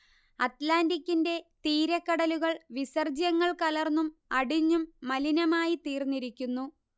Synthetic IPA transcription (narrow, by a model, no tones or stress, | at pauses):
ɐt̪laːndikʲːinde̞t̪iːɾɐkːɐɽɐluɣɐɭʋisɐrd͡ʑjɐŋːɐɭkɐlɐrnːumɐɽiɲːumːɐlinɐmaːjit̪iːrnːiɾikʲːunːu